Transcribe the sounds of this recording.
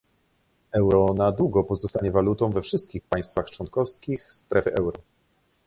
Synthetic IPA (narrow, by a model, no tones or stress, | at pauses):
ɛwɾɔnad̪wuɡɔpɔzɔst̪aɲɛvalut̪ɔ̃w̃vɛfʂɘst̪̚kʲixpaj̃st̪faxt͡ʂwɔnkɔfskʲixst̪ɾɛfɘʔɛwɾɔ